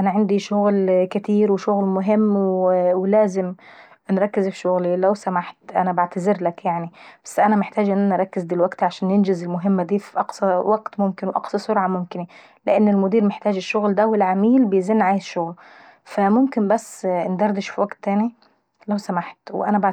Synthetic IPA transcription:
ʔanaʕɪnd̪iʃʊɣlkɪt̪iːɾwɪʃʊɣlmʊɦɪmːwwɪlæːzɪm | nɾˤɑkːɪzɪʃʃʊɣlilæwsamaħt̪ʔa̰nabaʕt̪azɪɾlakjaʕnib̥æsːʔanæmɪħt̪aːd͡ʒʔɪnːʔanʔɑɾˤɑkːɪzd̪ilwaɡt̪ʕaʃæːnjɪnd͡ʒɪzɪlmʊɦɪmːad̪iːfiʔɑqsɑwʔaɡt̪mʊmkɪnwʔɑ̰qsˤɑsʊɾʕɑmʊmkɪni | lɪ̰ʔɪnːɪlmʊd̪iːɾmɪħt̪æːd͡ʒɪʃːʊɣld̪æwɪlʕamiːlbɪjziːnːʕaːjɪʃːʊɣl | famʊmkɪnbæsːnd̪ɑɾˤd̪ɪʃfiwaɡt̪ːæːni | læwsamaħt̪wʔænæbaʕ

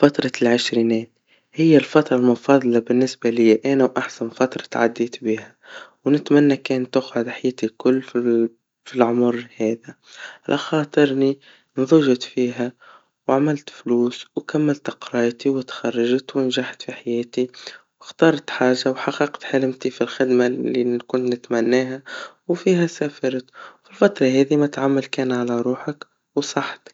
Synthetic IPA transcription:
fɑt̪ɾˤɑlʕɪʃɾiːnɛːt̪ | hɪjːalfɑt̪ɾˤɑlmʊfɑːðˤɑlɑbɪnːɪsbalɪjːaʔænawʔaħsanfɑt̪ɾˤɑ̥t̪ʕa̰d̪ːiːt̪bihawnɪt̪manːakæːnt̪ːʊxʕʊd̪ħajɛːt̪ikʊlː | filʕʊmʊɾhæːða | ʕalʔaxɑːt̪ˤɨɾˤni | nðˤʊʒɪt̪fiːɦæ | wʕamɪlt̪fluːswkamːalt̪qɾˤɑːjt̪iwɪt̪xɑrˤːɑʒt̪wɪnʒaħt̪fiħajɛːt̪iwɪxt̪ɑːɾˤt̪ħaːʒːawħɑqːɑqt̪ħalɪmt̪ifilxɪd̪maikʊnt̪nɪt̪mænːæːɦæwfiːɦæsæːfɑɾˤt̪filfɑt̪ˤɾˤɑɦɛːðimat̪ʕamːalkæːnʕalaɾˤuːħək | wsˤɑħt̪

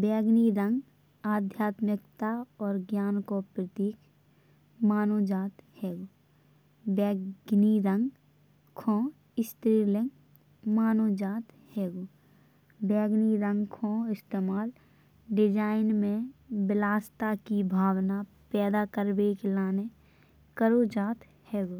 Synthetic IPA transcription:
bɛːɡniɾə̃ŋɡ | aːd̪ʱjaːt̪mɪkt̪aɔːɾɡjaːnkopɾət̪iːk | maːnoːd͡ʒaːt̪hɛːɡo | bɛːɡniɾə̃ŋɡ | kʰõː | ɪst̪ɾiːlɪ̃ŋɡ | maːnod͡ʒaːt̪ | hɛːɡo | bɛːɡniɾə̃ŋɡkʰõːɪst̪eːmaːl | ɖɪd͡ʒaːɪnmẽbɪlaːst̪akibʱaːwna | pɛːd̪akəɾbeklaːne | kəɾod͡ʒaːt̪ | hɛːɡo

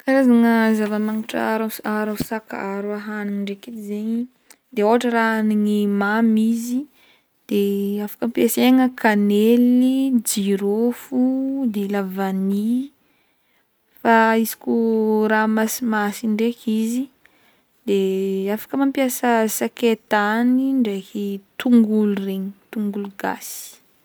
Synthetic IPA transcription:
kaɾazaŋəzavəmaŋiʈ͡ʂaɾasaɾasaka̰aɾuaɦaniŋiɳɖ͡ʐeked̪izeɲi | d̪eoaʈ͡ʂəraaniŋimamizi | d̪̥eafḁkəmpjaseŋəkanelid͡ʒiɾofud̪elavani | faizi̥kʲuɾamasimasiɳɖ͡ʐekizi | d̪̥eafḁkəmampiasəsaket̪aniɳɖ͡ʐekit̪uŋɡulureɲit̪uŋɡuluɡa̰si̥

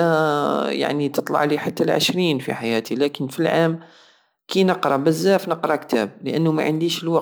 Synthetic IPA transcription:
ja̰ʕnit̪ɨt̪ˤlɑ̰ʕliħat̪ːalʕə̰ʃɾiːnfḭħajæːt̪ilæːkɪnfilʕaːm | kinəqɾˤɑbɪzːæːfnəqɾˤɑkt̪ʰæ̰ːb̚ləʔænːʊma̰ʕənd̪iːʃəlwɑq

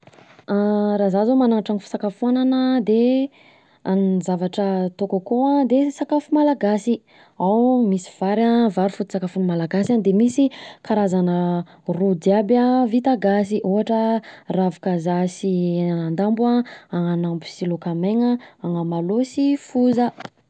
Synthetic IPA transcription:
aɾazazamanaŋaʈ͡ʂaŋifi̥sakafuananəd̪e | anizavaʈ͡ʂət̪okakuãd̪esakafumalaɡasi | awmisi̥v̥aɾavaɾufut̪i̥sakafunmalaɡasand̪emisikaɾazanə | rud̪jabavit̪aɡasiʔuɦaʈ͡ʂəravukazasiand̪ambaaŋanambusilokameŋaaŋəmalosifuzə

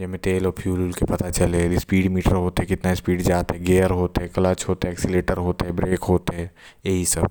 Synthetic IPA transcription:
d͡ʒɛmẽt̪eːlɔːɾpʰjuːlulkepɐt̪at͡ʃɐlelispiːɖmiːʈəɾɦoːt̪eɦɛkɪt̪naspiːɖd͡ʒaːt̪eɦɛɡeːəɾɦoːt̪eɦɛkɐlat͡ʃɦoːt̪eɦɛɛːksileːʈəɾɦoːt̪eɦɛbɾeːkɦoːt̪ɦɛː | jeɦisɐb̚

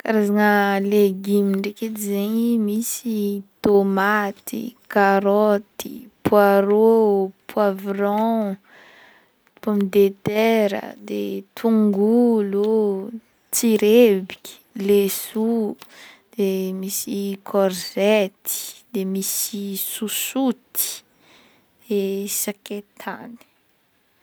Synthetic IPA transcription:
kaɾazanəleɡimiɳɖ͡ʐeket̪izeɲimisit̪omat̪ʰḭkaɾɔt̪ipwaɾopʰwavrɔ̃ | pamid̪et̪ɛɾə̰d̪ḛt̪ʰuŋɡulo | t͡siɾebikʲi̥lesu | d̪̥emisikʰɔɾzɛt̪ʰi̥d̪emisisusut̪i̥ | d̪̥esaket̪ʰani̥

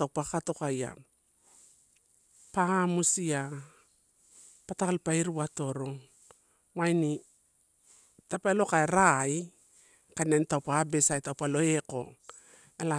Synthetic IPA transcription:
tawpakato̞kaja̰ | pamusia | patakalpaiɾuwato̞ɾo̞ŋ | wajni | tapalo̞kaeɾaj | kanentawpabe̞sajtawpalo̞eko̞̰ | ela

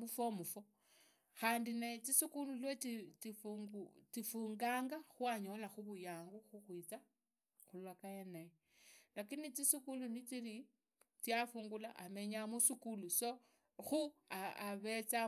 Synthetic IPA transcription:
mufomufo | xaːndinaet͡sisikululwetitifut͡sifuːŋɡaːŋɡaxwaɲo̞laxuβujaːŋɡuxuxwit͡sa | xulwakajenaje | lakinit͡sisikulunit͡sili | t͡sjafuːŋɡulaʔame̞ɲamusikuluso | xuaaβet͡sa

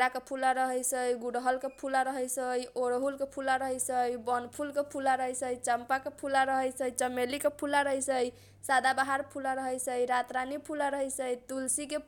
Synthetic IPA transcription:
ɾakepʰulaɾəɦəjsəjɡuɽɦəlkepʰulaɾəɦəjsəjoɾɦulkepʰulaɾəɦəjsəjbɔnpʰulkepʰulaɾəɦəjsəjt͡ʃəmpakepʰulaɾəɦəjsəjt͡ʃəmelikepʰulaɾəɦəjsəj | sad̪abaɦaɾpʰulaɾəɦəjsəjɾat̪ɾanipʰulaɾəɦəjsəjt̪ulsike

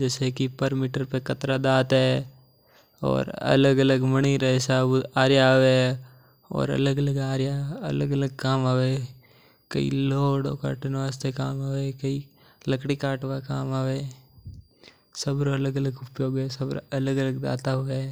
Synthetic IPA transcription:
d͡ʒɛːsekipəɾmiʈəɾpekɐt̪ɾad̪aːt̪ɦɛ | ɔ̰ːɾɐ̰ləɡələɡməɽ̃iɾɐsəbaːɾjaɦʋe | ɔ̰ːɾɐ̰ləɡələɡaːɾjaɐ̰ləɡələɡ̚kaːmaːʋe | kɐḭloːɽo̰ːka̰ːʈənʋaːst̪ʰekaːmaːʋekɐi | ləkɽikaːʈʋakaːmaːʋeː | sɐbɾoɐləɡələɡʊpjoːɡɦɛsɐbɐləɡələɡd̪a̰ːt̪aɦʊe

